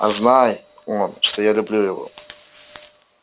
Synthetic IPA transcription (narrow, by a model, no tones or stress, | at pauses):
a̰znaj | onʂt̪o̞jalʲʊblʲujɪvo̞̰